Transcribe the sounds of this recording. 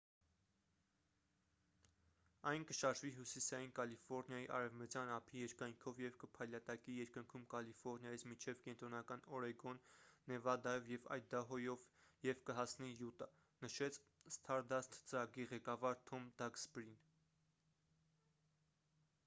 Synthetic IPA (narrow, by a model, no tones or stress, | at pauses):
ɑjnkəʃɑɾʒviɦusisɑjinkɑlifɔɾnjɑjiʔɑ̰ɾɛvmət͡sjɑnɑpʰijɛɾkɑjŋkʰɔvjɛvkəpʰɑjlɑt̪ɑkijɛɾkəŋkʰumkɑlifɔɾnjɑjit͡sʰmint͡ʃʰɛvkɛnt̪ɾɔnɑkɑnɔɾɛɡɔnːɛvɑd̪ɑjɔvjɛvɑ̰j̪̚d̪ɑɦɔjɔvjɛvkəɦɑsnijut̪ɑ | nəʃɛt͡sʰst̪ʰɑɾd̪ɑst̪ʰt͡səɾɑɡiʁɛkɑvɑɾt̪ʰɔmd̪ɑɡsbɾin